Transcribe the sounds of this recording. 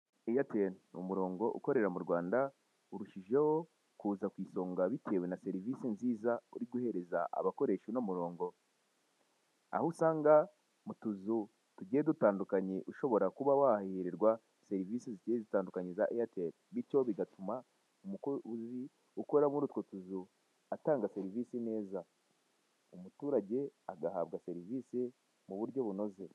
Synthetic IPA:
ejatenṵmuɾo̞ːŋɡo̞ʔṵko̞ɾe̞ɾamuɾwaːnda | uɾuʃiʒe̞ho̞ | kuːzakwiːso̞ːŋɡaβitʰe̞ːwe̞nase̞ɾiviːsinziːzauɾiɡuhe̞ɾe̞za̰ʔa̰βako̞ɾe̞ʃunomuɾo̞ːŋɡo̞ | a̰hosaːŋɡa | mutuzu | tuɟeedutaːndukaɲeʔuʃo̞βo̞ɾakuβawahihiɾeɾɡwa | se̞ɾiviːsiziceezitaːndukaɲizaʔejateɾ | βiɾco̞βiɡatuma | umukuuzi | ukoɾamuɾutkotuzu | ataːŋɡase̞ɾiviːsine̞ːza | umutuːɾaɟe̞aɡaha̰βɡase̞ɾiviːsi | muβuɾɟo̞βuno̞ze̞

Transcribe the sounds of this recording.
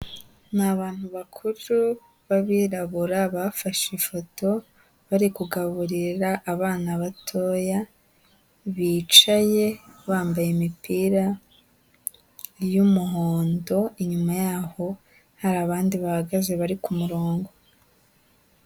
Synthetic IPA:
naβaːn̥huβakʰuɾu | βaβiɾaβuɾaβafaʃifo̞to̞ | βaɾikuɡaβuɾiɾaʔːβaːnaβatʰo̞ːja | βiːt͡ʃaje̞βaːmbajemipiːɾa | jumuho̞ːndo̞iɲumajaːho̞ | haɾaːβaːndiβahaɡaze̞βaɾikumuɾo̞ːŋɡo̞

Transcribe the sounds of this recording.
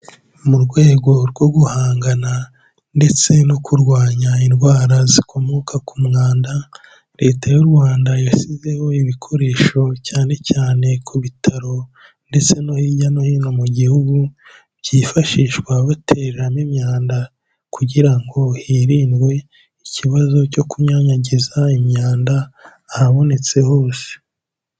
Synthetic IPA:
umuɾɡwe̞ːɡo̞ɾɡo̞ɡuhaːŋɡana | nde̞t͡se̞nokuɾɡwaːɲainɡwaːɾazikʰo̞mo̞kakumŋaːnda | ɾe̞ːtajuɾɡwaːndajasize̞ho̞iβikʰo̞ɾe̞ːʃo̞caːne̞caːne̞kʰuβitʰaɾo̞ | nde̞t͡se̞no̞hiɟano̞hiːnomuɟihuɡu | βɟifaʃiːʃkwaβatʰeɾɾamimɲaːnda | kuɟiɾaŋɡo̞hiːɾiːndɡwe̞ | iciβazo̞co̞kuɲaːɲaɟizaimɲaːndaː | haβo̞ne̞t͡se̞hoːse̥

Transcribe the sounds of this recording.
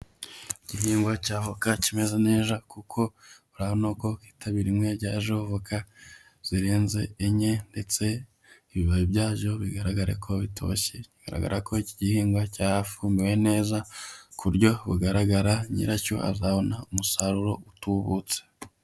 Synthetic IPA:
iɟ̥iɦiːŋɡwacaːvokacime̞zene̞ːzakukʰo̞βuɾahonoːko̞ki̥ːtʰaβiɾimŋe̞ɾɟaːʒovokʰa | z̥iɾeːnze̞ɲe̞nde̞t͡se̞ | iβiβaβibjaːʒo̞βiɡaɾaɡaɾḛkʰo̞βitʰo̞̰çe̞ciɡ̥a̰ɾa̰ɡa̰ɾako̞iciɟihiːŋɡwacaːɾafuːmbiwe̞ne̞ːzakʰuɾɟo̞βuɡaɾaɡaɾaɲḭɾaco̞̰ʔa̰zaβo̞naumusaɾuɾo̞utuβut͡se̥

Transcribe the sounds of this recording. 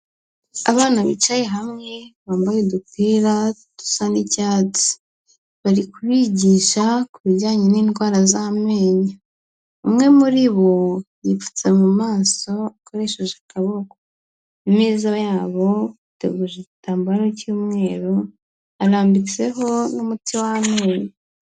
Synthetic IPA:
a̰βaːnaβḭt͡ʃajeɦamŋe̞βaːmbajedukwiːɾa | tu̥sanicaːt͡si̥ | βaɾikuβiɟiːʃakuβiɟaːɲeniːnɡwaːɾazameːɲa | umŋe̞muɾiβo̞jifu̥t͡semumaːso̞ako̞ɾe̞ːʃeʒakaβo̞ko | nimiːzajaːβo̞utḛɡuʒecitaːmbaɾocuːmŋe̞ːɾo | aɾaːmbit͡se̞ɦo̞numutiwahame̞ːɲa

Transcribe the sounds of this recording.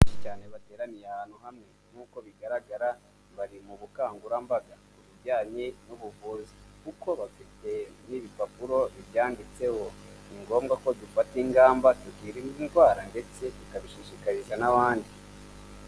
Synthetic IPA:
ʃit͡ʃaːne̞βate̞ːɾanijaβaːn̥huɦamŋe̞ | n̥uːko̞βiɡaɾaɡaɾa | βaɾimuβukaːŋɡuɾambaɡakuβiɟaːɲenuβuvuːzikuko̞βafite̞niːβipapuɾo̞βiβjaːndit͡se̞ho̞iŋɡo̞ːmɡako̞dufatiŋɡaːmbatuɡiːɾininzɡwaːɾande̞t͡se̞βikaβiʃiʃikaɾiʒanaβaːndi

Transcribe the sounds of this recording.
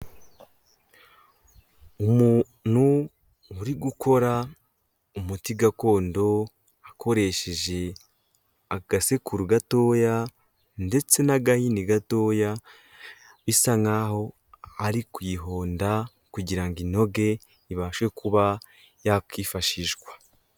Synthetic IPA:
umu | nu | uɾiɡukʰo̞ɾa | umutiɡako̞ːndo̞ | akʰo̞ɾe̞ʃe̞ʒe̞ | aɡ̥ase̞kuɾuɡato̞ːja | nde̞t͡se̞naɡahiniɡato̞ːja | βisaŋaho̞ | aɾikwiɦo̞ːnda | kuɟiɾaŋɡino̞ɡe̞ | iβaːʃwe̞kuβa | jakiːfaʃiʒɡwḁ

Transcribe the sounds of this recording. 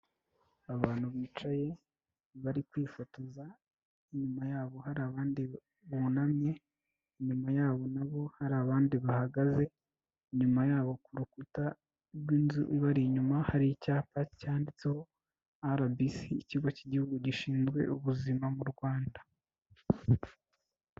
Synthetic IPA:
aβaːn̥huβiːt͡ʃaje̞ | βaɾikwiːfatuza | iɲumajaːβo̞haɾaβaːndi | βunamɲe̞ | iɲumajaːβo̞naβo̞haɾaβaːndiβahaɡaze̞ | iɲumajaːβo̞kuɾukuta | ibɡiːnzuʔṵiβaɾiɲumahaɾicaːpaci̥caːndit͡se̞ho̞ | aɾabisiːciɡo̞ciɟihuɡuɟiʃiːnzɡwe̞̰ʔuβuzimamuɾɡwaːnda

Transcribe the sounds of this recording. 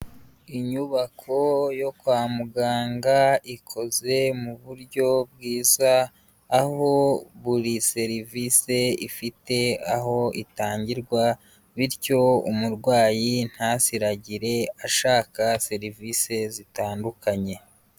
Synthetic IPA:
iɲuβakʰo̞jo̞kwaːmuɡaːŋɡaikʰo̞ze̞muβuɾɟo̞b̚ɡiːzaː | ho̞βuɾise̞ɾivise̞ifite̞aɦo̞itaːɲɟiɾɡwa | βiɾco̞ṵmuɾɡwaːjin̥hasiɾaɟiɾe̞aʃaːkase̞ɾivise̞zitaːndukʰaɲe̞

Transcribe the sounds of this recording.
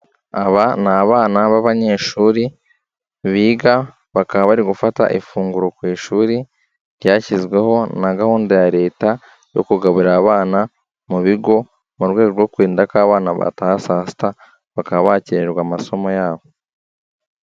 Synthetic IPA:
aβanaβaːnaβaβaɲeʃuːɾi | βiːɡa | βakaβaβaɾiɡufata̰ʔifuːŋɡuɾokwiːʃuːɾi | ɾɟaːcizɡwe̞ho̞naɡahuːndojaɾe̞ːta | jo̞̰kuɡaβuɾaβaːna | muβiɡo̞ | muɾɡwe̞ːɡoɾɡwokwiːndakaːβaːnaβa̰taasasi̥ta | βakaββaciɾeɾɡwamaso̞mo̞jaːβo

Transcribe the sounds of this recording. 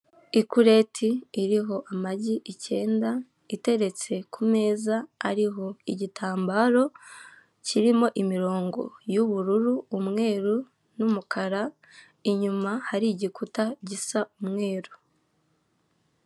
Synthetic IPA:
ikuɾe̞tʰiːɾiɦo̞ʔamaɟiʔice̞ːnda | ite̞ɾe̞t͡se̞kʰume̞ːza̰ːɾiɦo̞iɟitʰaːmbaːɾo̞ | ciɾimo̞ʔimiɾo̞ːŋɡo̞̰juβuɾuɾuːmŋe̞ːɾu | numukʰaɾa | iɲumahaɾiɟikutaɟisaʔumŋe̞ːɾu̥

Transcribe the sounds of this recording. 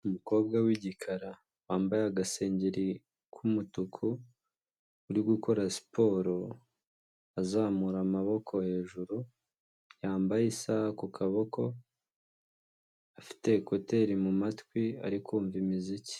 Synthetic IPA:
umuko̞ːb̚ɡawiɟikʰaɾa | waːmbajaɡase̞ːɲɟeɾi | kʰumutukʰu | uɾiɡukʰo̞ɾasi̥pʰo̞ːɾo̞ | azaːmuɾamaβo̞kʰo̞he̞ːʒuɾu | jaːmbajisahkukʰaβo̞kʰo̞ | afi̥te̞ko̞te̞ɾimumatkwia̰ɾikuːɱvimizici̥

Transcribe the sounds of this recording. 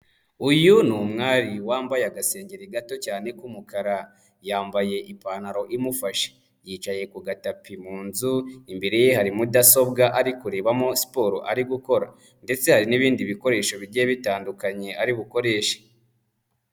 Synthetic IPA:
ujunumŋaːɾiwaːmbajaɡase̞ːɲɟeɾiɡato̞caːne̞kumukaɾa | jaːmbaje̞ʔipanaɾo̞ʔimufaʃe̥ | jiːt͡ʃaje̞kuɡatapimuːnzuimbeɾejehaɾimudaso̞bɡaʔaɾikuɾeːβamosi̥po̞ːɾo̰ʔaɾiɡuko̞ɾa̰ | nde̞t͡se̞haɾiniβiːndiβiko̞ɾe̞ːʃo̞βiɟeβitaːndukaɲe̞aɾiβuko̞ɾe̞ːʃḁ

